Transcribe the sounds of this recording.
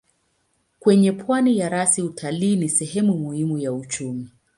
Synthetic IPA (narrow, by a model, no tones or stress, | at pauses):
kwɛɲɛpʰwanijaɾasiutʰaliːnisɛɦɛmumuhimujaut͡ʃumi